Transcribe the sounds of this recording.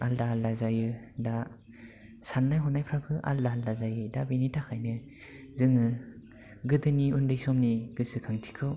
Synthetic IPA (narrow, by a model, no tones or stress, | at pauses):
aldaaldazajɯda | sanːajɦɔnːajpʰɾakʰɯʔa̰ldaaldazajɯdabinitʰakʰajnɯ | zɯŋɯ | ɡɯdɯniundɯjsɔmniɡ̥ɯsɯkʰaŋtʰi̥kʰɯw